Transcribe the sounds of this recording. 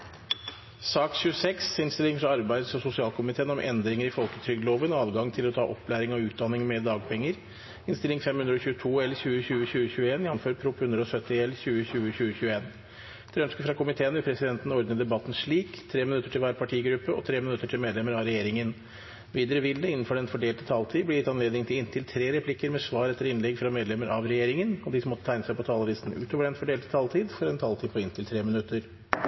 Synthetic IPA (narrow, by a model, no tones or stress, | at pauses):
sɑːkɕʉəsɛksɪnst̪ɪlɪŋfɾɑɑɾbæɪd̪sɔmsʊsɪɑːlkʰʊmɪt̪ʰeːənɔmʔɛ̰nd̪ɾɪŋəɾɪfɔlkət̪ʰɾʏɡd̪əloːʋənɔɑːʋɡɑŋt̪ʰɪlɔt̪ʰɑ̰ːʔɔpːlæːɾɪŋɔʉːt̪̚d̪ɑnːɪŋmɛd̪ɑːɡpʰɛŋːəɾ | ɪnst̪ɪlɪŋfɛmhʉnd̪ɾɔɕʉːət̪ʰuːɛlːəɾçʉːəçʉːəçʉːəçʉːəeːnjɑnføːɾpʰɾʊphʉnd̪ɾəɔsœt̪ːɪɛləɾçʉːəçʉːəçʉːəçʉːəeːn | t̪ʰɛɾœnskəfɾɑkʰʊmɪt̪ʰeːənɪpʰɾɛsɪd̪ɛnt̪ən̩ɔɾd̪nəd̪ɛbɑt̪ːn̩ʂɭiːkt̪ʰɾeːmɪnʉt̪ːəʈʰɪlʋæːɾpʰɑʈʰiːɡɾʉpːəʔɔ̰t̪ʰɾeːmɪnʉt̪ːəʈʰɪlmeːd̪lɛməɾɑʋɾɛjeːɾɪŋən | ʋiːd̪əɾəʋɪld̪əɪnn̩fɔɖɛnfɔɖeːlt̪ət̪ʰɑlt̪ʰiːblɛjɪt̪ːɑnleːd̪ɪŋt̪ʰɪlɪnt̪ʰɪlt̪ʰɾeːɾɛpʰlɪkːəɾmɛsʋɑːɾɛt̪ːəɾɪnlɛɡfɾɑmeːd̪lɛmːəɾʔɑ̰ʋɾɛjeːɾɪŋənɔd̪ɪsɔmɔt̪ət̪ʰæɪnəsæɪpʰɔt̪ʰɑːlɔɾɪst̪n̩ʉ̰ːt̪ʰoːʋəɖɛnfɔɖeːlt̪ə̥t̪ʰɑlt̪ʰiːd̪fɔɾɛnt̪ʰɑlt̪ʰiːd̪pʰɔɪnt̪ʰɪlt̪ʰɾeːmɪnʉt̪ːəɾ